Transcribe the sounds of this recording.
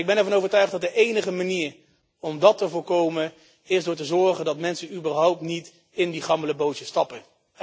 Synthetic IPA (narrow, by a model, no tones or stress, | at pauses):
ɪɡ̚bɛnɛɹvɑnowvəɹtœɥχdɑt̚dəʔejnəχəmaniːɹ | ɔmdɑtəvʊːɹkowmə | ɪsdʊːɹtəzɔɹχəndɑtmɛnsənybəɹɦɑwp̚tnit | ɪndiχɑmbələbowtəstɑpə